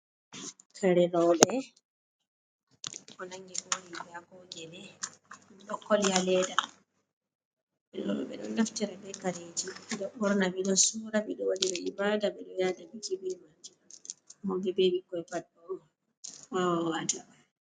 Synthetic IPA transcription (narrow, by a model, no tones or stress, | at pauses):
kʰaɾɛlɔɓɛ | kɔnaŋɡiɡolibɛaɡɔɡɛnɛ | ɗɔkːɔljalɛːda | ɓɛɗɔ̰ɗɔ̰ɓɛ̰ɗɔ̰nːaftiɾɛbɛkaɾeːd͡ʒiɗɔɓɔɾnabiɗɔnsuːɾaɓɛɗɔwadiɾɛibaːdaɓɛɗɔjadabid͡ʒibimatiahɔɡɛbeɓikɔɛpaɗɔ | wawawata